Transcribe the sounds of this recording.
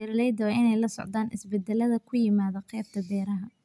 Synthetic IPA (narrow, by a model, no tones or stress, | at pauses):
ɪɾlɛjd̪ɐʔɪnɛjlɐsɔ̰ʕd̪aːnʔɪsbɛd̪ːɛlɐðɐkʰʊjɪmaːðɐqɛːb̚t̪ʰɐb̪ɛːɾɐɦɐ